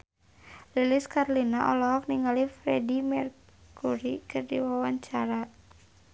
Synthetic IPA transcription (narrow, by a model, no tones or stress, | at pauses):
liliskarlinaʔɔlɔɦɔk̚niŋalifɾɛdimɛr | kuɾikɨrdiwawaɲt͡ʃaɾa